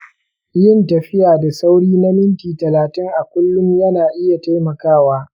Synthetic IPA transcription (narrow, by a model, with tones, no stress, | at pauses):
jɪ˦ntɐ˨ɸɪ˦jaː˨da˨sa˦wɽiː˦na˦mɪ˦ntiː˨tɐ˨laː˨tɪ˦ŋʔa˨kʷʊ˦lːʊ˦mjɐ˦naː˨ʔɪ˦ja˨ta˦jmɐ˨kaː˦˨waː˦